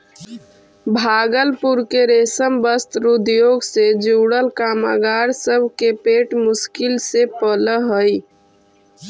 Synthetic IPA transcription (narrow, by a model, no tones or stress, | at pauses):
bʱaːɡəlpuɾkeɾeːsəmbəst̪ɾud̪joːɡsed͡ʒuːɽəlkaːma̰ɡaːɾsəbʱkepeʈmʊskɪlsepələɦəj